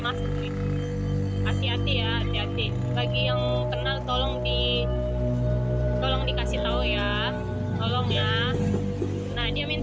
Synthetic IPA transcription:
masʊk̚ɡit̪u | kasiɦat̪ijaat̪iɦat̪i | baɡijaŋkənalt̪ɔlɔŋdi | t̪ɔlɔŋdikasit̪auja | t̪ɔlɔŋja | nadiamin

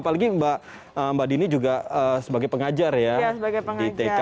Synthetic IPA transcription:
palaɡiba | əmbadinid͡ʒuɡaəsəbaɡajpəŋad͡ʒarjaasəbaɡajpəŋdit̪eka

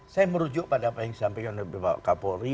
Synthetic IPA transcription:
sajaməɾud͡ʒʊʔ̚padaːpajaŋsampɛŋandəbibawa̰ʔkapoɾi

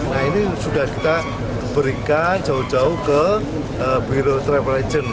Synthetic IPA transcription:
nainisudahki̥t̪a | b̥əɾikand͡ʒaud͡ʒaukə | əbiɾot̪ɾɛpɾad͡ʒən

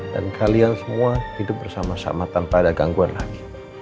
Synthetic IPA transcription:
d̥a̰nkʰaliansəmuahidʊp̚bərsamasa̰mat̪anpadaɡaŋɡuanlaɡi̥

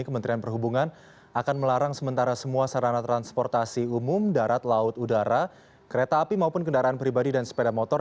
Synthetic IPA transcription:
ikəmənt̪ɾianpərɦubuŋan | akanməlaɾaŋsəmənt̪aɾasəmuasaɾanat̪ɾanspɔrt̪asiumʊmdaɾat̪laʊt̪udaɾa | kəɾet̪aːpimaupʊnkəndaɾaanpɾibadidansə̥pedamɔt̪ɔ

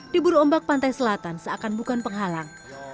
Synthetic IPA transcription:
d̥ibuɾɔmbak̚pant̪ajsəlat̪ansəakanbukanpəŋɦalaŋ

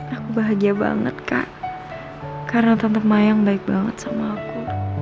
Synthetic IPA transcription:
akubaɦaɡiaba̰ŋə̰t̪̚ka̰ʔ | kaɾənat̪ənt̪əp̚majaŋbaɪk̚baŋə̰t̪samaːku

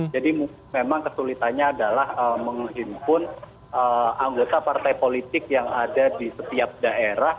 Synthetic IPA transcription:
d͡ʒadimu | memaŋkəsulit̪anɲaːdalahəməŋɦimpʊn | ʔəaŋɡot̪apart̪ajpolit̪ɪk̚jaŋadadisət̪iap̚daʔeɾah

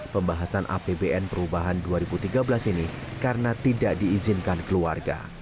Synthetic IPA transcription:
pəmbaɦasanʔa̰pebeʔɛnpəɾubaɦanduaɾibut̪iɡabəlasinikaɾənat̪idaʔdiːzɪnkankəluarɡa̰

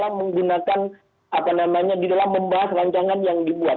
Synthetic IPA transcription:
laməŋɡunakan | apanamaɲadidalamːəmbaɦasraɲt͡ʃaŋanjaŋdibuat̪̚

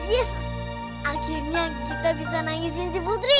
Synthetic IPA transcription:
ɡis | akirɲakit̪abisanaŋis̬insiput̪ɾi

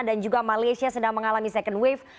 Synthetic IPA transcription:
dand͡ʒuɡamalajsiasədaŋməŋalamisɛkəndwef

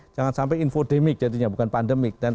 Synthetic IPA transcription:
d͡ʒaŋansampɛjinfodemɪk̚d͡ʒ̥adiɲabukanpandəmɪk̚d̥an

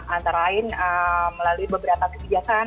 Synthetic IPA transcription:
ant̪aɾaɪnəməlaluibəbəɾapakəbid͡ʒakan

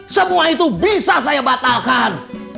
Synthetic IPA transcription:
səmuait̪ubisas̬ajabat̪alkan

